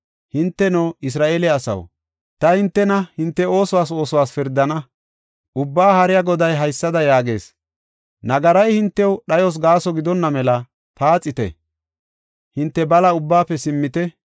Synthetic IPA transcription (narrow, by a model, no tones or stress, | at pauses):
hɪnt̪ːɛnoːɪs̬ɾaːʔeːlɛɐsɐ̰w | t̪ɐhɪnt̪ːɛnɐhɪnt̪ːɛo̞ːsʊwaːs̬o̞ːsʊwaːsfɪɾd̪ːɐnɐ | ʔʊbːaːhɐɾɪjaɡɔd̪ɐjɦɐjsːɐd̪ɐjaːɡe̞̰ːs | nɐɡɐɾɐjhɪnt̪ːɛwɗɐjɔs̬ɡaːsɔɡɪd̪ɔnːɐmɛlɐ | paːt͡sʼːɪt̪ɛ̰ | hɪnt̪ːɛbɐlɐʊbːaːpːɛsɪmːɪt̪ɛ